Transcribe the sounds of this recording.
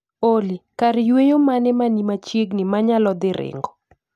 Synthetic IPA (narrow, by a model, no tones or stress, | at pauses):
olikaɾɪjwejomanɛmanimat͡ʃjeɡnɪmaɲalɔd̪ɪɾɪ̰ŋɡɔ